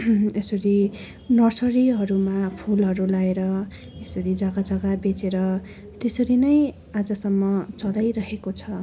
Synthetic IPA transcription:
esʌɾi | nʌsʌɾiɦʌɾumapʰulɦʌɾulaeɾʌ | esʌɾid͡zʌɡad͡zʌɡabet͡seɾʌ | t̪esʌɾinʌj | ad͡zʌsʌmːʌt͡sʌlajɾʌɦekot͡sʰʌ

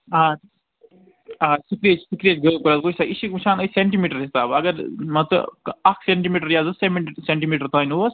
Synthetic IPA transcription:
aː | aːsikɾeːt͡ʃsikɾeːt͡ʃɡəkɐɾat̪kosaʔiʃikmʃʰaːnɐseɳʈimiːʈɐɾɦisaːbɐɡɐɾmɐt̪ɐɐkʰseɳʈimiːʈɐɾjaːzɐsemseɳʈimiːʈɐɾt̪aːnuɐs

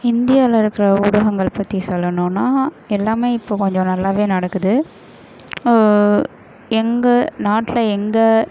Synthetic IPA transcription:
ɪnd̪ɪjaːlɐɪɾɯkːɪɾɐʊɽɐɣɐŋɡɐɭpɐt̪ːisɔlːɐnõːnːaː | ɛlːaːmeːɪpːoːkɔɲd͡ʒɔ̃nɐlːaːʋeːnɐɽɐkːɯðɯ | ɛŋɡɐnaːʈːɪlɐɛŋɡɐ

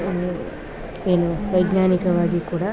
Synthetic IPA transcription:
eːnuʋɐjd̪ɲaːnikɐʋaːɡikuːɽɐ

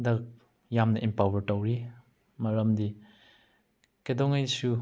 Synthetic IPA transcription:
dɐk̚ | jamnɐʔimpawɐɾtɐwɾi | mɐɾɐmdi | kedɔŋajsu

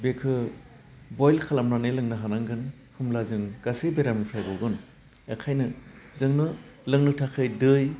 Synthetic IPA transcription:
bekʰɯ | bɔjlkʰalamɾanɯjlɯŋnɯɦanaŋɡɯn | hɯmlazɯŋɡ̥asɯjbeɾamnɯpʰajbɔwɡɯn | ekʰajnɯzɯŋnɯlɯŋnɯtʰakʰɯjdɯj

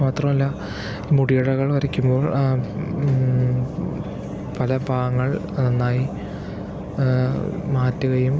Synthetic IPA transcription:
maːt̪rɐmɐlːɐ | muɽijɐɽɐɣɐɭʋɐɾikʲːumbo̞ːɭ | pɐlɐbʱaːŋːɐɭ | ɐnːaːji | maːtːuɣɐjum

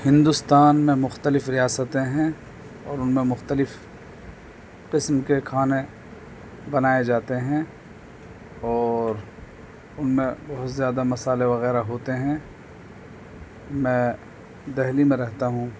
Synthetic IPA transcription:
hɪ̃nd̪ʊst̪aːnmẽmʊxt̪əlɪfɾijaːsət̪ẽɦɛ̃ | ɔːɾʊnmẽmʊxt̪əlɪf | qɪsmkekʰaːnẽ | bɐnaːed͡ʒaːt̪eɦɛ̃ | ɔːɾ | ʊnmẽbɐɦʊt̪zjaːd̪amɐsaːleʋɐɣɛːɾaɦoːt̪eɦɛ̃ | mɛ̃ː | d̪ɛɦlimẽɾɛɦt̪aɦũ

